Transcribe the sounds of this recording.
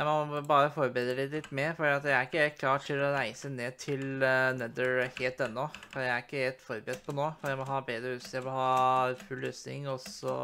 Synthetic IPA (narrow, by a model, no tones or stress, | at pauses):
jæɪmɔbɑːɾəfɔɾbɾeːd̪ɾəlɪt̪lɪt̪ːmɛfɔɖiːɑt̪jæɪæɾɪkːəɾɛlt̪̚kʰlɑːʈʰɪlːɔɾæɪsəneːt̪ʰɪlnɛd̪əɹheːlt̪ɛnːɔfɔjæɪæɾɪkːəɾɛlt̪fɔɾbəɾɛd̪̚pʰɔnoːfɔɾjæɪmɔɦɑːbeːd̪ɾəʉːsjæɪmɔhɑːfʉlːøːsnɪ̰ŋɔsɔ̰